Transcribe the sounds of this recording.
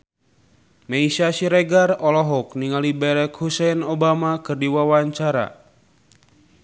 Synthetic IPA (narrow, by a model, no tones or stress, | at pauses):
meisasiɾeɡarɔlɔɦɔk̚niŋalibɛɾɛkhusɛnobamakɨrdiwawaɲt͡ʃaɾa̰